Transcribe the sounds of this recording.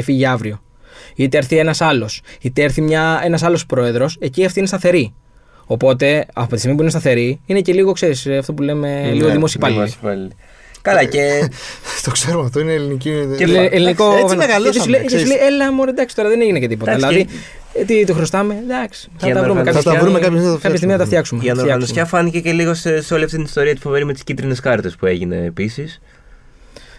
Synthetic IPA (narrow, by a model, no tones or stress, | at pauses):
efiʝiɐvɾio̞ | it̪eeɾθienɐsɐlosit̪eeɾθimɲɐe̞nɐs̬ɐlo̞spɾo̞e̞ðɾo̞se̞ciɐft̪inest̪ɐθe̞ɾi | opo̞t̪e̞ɐ̰pot̪ist̪ɣmipuinest̪ɐθe̞ɾiinece̞liɣo̞kse̞ɾisɐft̪opule̞me̞liɣoðimosipɐliɐl | kɐlɐce | t̪okseɾomɐft̪oinelinicieelinikonɐɣɐlt̪ssulecesulejelɐmoɾed̪ɐksi̥t̪oɾɐðeneʝinecet̪ipot̪ɐslɐði | t̪it̪oxɾost̪ɐme̞d̪ɐksi̥θɐɐt̪ɐvɾummekɐɐst̪ɐɾumeɐpçsmikɐçɐst̪imiθɐt̪ɐft̪çɐksumeɐnnoɾɐɣɐnsosçɐfɐnicece̞liɣoseseo̞liɐft̪it̪inist̪o̞ɾiɐt̪i̥fo̞ve̞ɾimet̪iscit̪ɾine̞skɐɾt̪e̞spue̞ʝine̞̰ːpisis